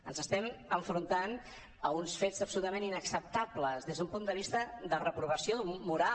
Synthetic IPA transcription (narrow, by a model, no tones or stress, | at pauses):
ənzəst̪ɛməɱfɾunt̪an | əunsfezəpsulut̪əmeninəksəp̚t̪abləzðezðumpund̪əβ̞ist̪əd̪ərəpɾuβəsiomuɾa